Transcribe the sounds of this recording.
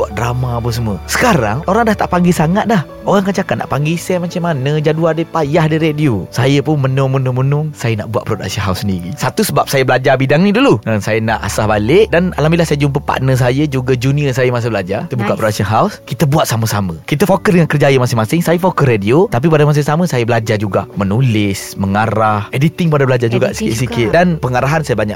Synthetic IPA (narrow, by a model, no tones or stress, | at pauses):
buaʔ̚dɾamaap̬əns̬əməsə̥kaɾa̰ŋoɾaŋdaht̪aʔpaŋɡisaŋat̪̚dah | oɣaŋkat͡ʃakat̪̚na̰ʔpaŋɡesɛmat͡ʃamːanəd͡ʒaduadəpajahdiɾediosajəpʊnmənʊŋmənʊŋmənʊŋsajəna̰ʔbuaʔ̪̚pɾoda̰ksənɦawsːəndiɾḭsat̪usəbap̚sajəbəlad͡ʒabidaŋnidulunəsajənaʔa̰sahbalɪʔdana̰lambilahsajəd͡ʒʊmpəpa̰ʔnəs̬ajəd͡ʒuɡəd͡ʒuniəsajəmas̬əbəlad͡ʒat̪əbukaʔpɾodaksənɦawskit̪əbuat̪̚saməsamə̃kit̪əfokəsdəŋankərd͡ʒajəmasɪŋmasɪŋsajəfokəsrediot̪ap̬ip̬adamas̬iŋsaməsajəbəlad͡ʒad͡ʒuɡa̰ʔmənulɪsməŋaɾahʔedit̪ɪŋpadabəlad͡ʒad͡ʒuɡaʔsikɪ̰ʔsikɪt̪̚danpəŋaɾaɦansajəbaɲaʔ